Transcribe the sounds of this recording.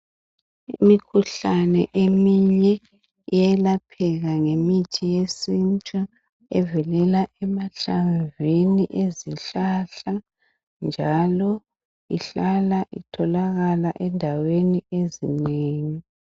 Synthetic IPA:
imikʰuɬanɛʔemiɲɲɛ | ijɛlapʰɛɣaŋemitʰijesint͡ʃʼa | ɛvɛlɛlaʔɛmaɬaɱveniʔeziɬaɬa | nd͡ʒʱalɔ | iɬalaʔitʰɔlaɣalaʔɛndʱaweniezineːŋi

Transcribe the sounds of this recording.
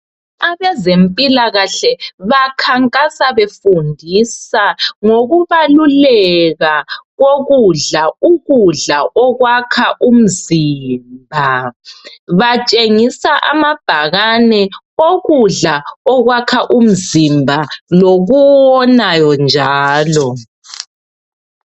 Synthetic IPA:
aβɛzempʼilaɣaɬɛβakʰaŋkʼasaβefundʱisaŋoɣuβalulɛɣaɣoɣuɮauɣuɮaʔɔɣwakʰaʔum̩ziːmbʱa | βat͡ʃʼeŋisaʔamab̥ʱaɣanɛ | oɣuɮaɔɣwakʰaʔum̩zimbʱaloɣuwɔnajɔnd͡ʒʱaːlɔ

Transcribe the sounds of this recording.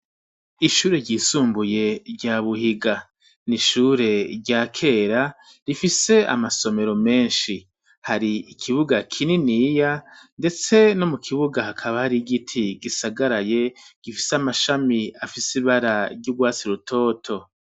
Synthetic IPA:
iʃuːɾe̞ɾɟiːsuːmbuje̞ɾɟaːβuhiɡa | niʃuːɾe̞ɾɟaːkʰe̞ːɾa | ɾifise̞a̰maso̞me̞ɾo̞me̞ːnʃi | haɾiːkʰiβuɡakʰininiːjande̞t͡se̞no̞mukʰiβuɡahakʰaβahaɾiɡitʰiɡisaɡaɾaje̞ɡ̥ifiseamaʃamiafisiβaɾaɾɟuɡwaːt͡siɾutʰo̞ːtʰo̞

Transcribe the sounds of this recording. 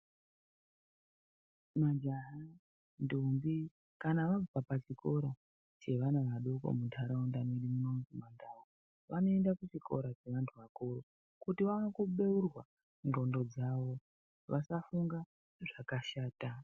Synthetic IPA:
mad͡ʒaɦa | ndumbi | kanaʋavapapat͡ʃikʰo̞ɾa | t͡ʃe̞ʋanaʋaɗoko̰mutʰaɾaundamiɾimunonzimandawo | ʋano̞endakut͡ʃikʰo̞ɾat͡ʃe̞ʋantʰuʋakoro | kutiʋanokuɓe̞urwa | nɡo̞ndo̞d͡zaʋo̞ | ʋasafuŋɡa | ʐakaʃaːta

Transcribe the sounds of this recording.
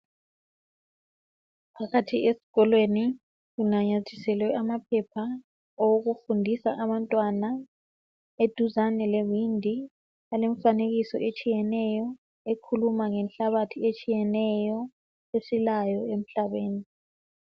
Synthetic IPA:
pʰaɣatʰiesi̥ɣɔlweni | ɣunaɲatʰisɛlwɛamapʰɛpʰa | oɣufundʱisa̰ʔaβantʼwana | ed̥ʱuzanɛlevindʱi | aleɱfaneɣisɔ̰ʔet͡ʃʼijɛnɛjɔ | ekʰulumaŋɛnɬaβatʰiet͡ʃʼijɛnɛjɔ | esilajɔem̩ɬaβeːni

